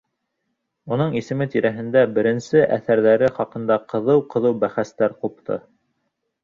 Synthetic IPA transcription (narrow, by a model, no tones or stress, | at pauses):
unɤɴisɘ̆mɘt̪iɾæɦɘ̆nd̪æbɘ̆ɾɘ̆nsɘʔæθæɾðæɾɘχɑqɤ̆nd̪ɑqɤ̆ðɤwqɤ̆ðɤwbæχæst̪æɾqup̚t̪ʰɤ̰